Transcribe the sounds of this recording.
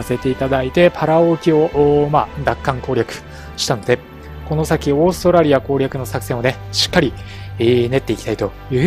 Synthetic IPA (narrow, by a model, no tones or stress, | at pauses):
ase̞t̪e̞it̪ad̪ait̪e̞pʰaɾao̞kʲio̞ʔmaːd̪akːãŋko̞ːɾʲakɯ̟̥ | ɕi̥t̪ano̞d̪e̞ | ko̞no̞sakʲio̞ːsɨ̥t̪o̞ɾaɾʲiako̞ːɾʲakɯ̟no̞sakɯ̟̥sẽ̞one̞ɕi̥kːaɾʲi | ne̞t̪ːe̞ikʲi̥t̪ai̥t̪o̞jɯ̟ː